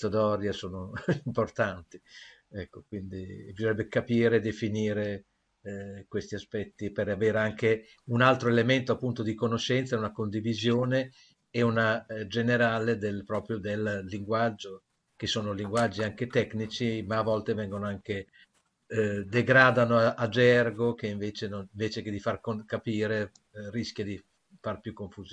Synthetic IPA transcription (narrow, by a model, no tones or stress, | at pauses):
t̪od̪ɔɾjasoːnoimport̪ant̪i | ɛkːokwind̪ibizoɾɛbːekapiːɾed̪efiniːɾe | kwest̪iaspɛt̪ːipeɾaveːɾeaŋke | unalt̪ɾoelement̪oapːunt̪od̪ikonoʃɛnt̪saɛunakond̪ivizjoːne | eunad͡ʒeneɾaːled̪elpɾɔːpɾjod̪elːiŋɡwad͡ʒːo | kesoːnoliŋɡwad͡ʒːiaŋket̪ɛknit͡ʃimaːvɔlt̪evɛŋɡonoaŋke | d̪eɡɾaːd̪anoaʔad͡ʒɛrɡokeiɱveːt͡ʃenoniɱveːt͡ʃeked̪ifarkokapiːɾe | risk̟jad̪i | farpjukːoɱfuz